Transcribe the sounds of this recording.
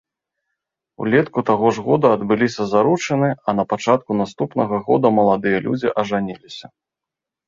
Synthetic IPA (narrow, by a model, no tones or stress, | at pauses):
ṵlʲɛt̪kut̪aɣɔʐɣɔd̪ɐɐd̪bɨlʲisʲɐzaɾut͡ʂɐnɨɐnɐpat͡ʂat̪̚kunast̪upnɐɣɐɣɔ̰d̪ɐmɐlˠad̪ɨjɐlʲṵd͡zʲiʔɐʐanʲilʲisʲɐ